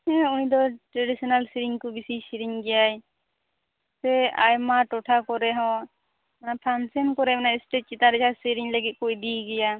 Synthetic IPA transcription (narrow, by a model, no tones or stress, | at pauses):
ɛũɲd̪ɔʈɾaɖisɔnalsiɾiŋkubisisiɾiŋɡɛjaj | sɛajmaʈɔʈʰakɔɾɛɦɔ̃ | manapʰansɛnkɔɾɛmanaɛsʈet͡ʃ̚t͡ʃit̪aɾɛd͡ʒasiɾiŋləɡit̪̚kɔjd̪iɡɛja